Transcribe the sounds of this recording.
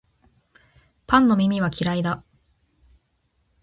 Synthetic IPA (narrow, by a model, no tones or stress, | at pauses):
pãnːo̞mʲimʲiβ̞akʲiɾaid̪a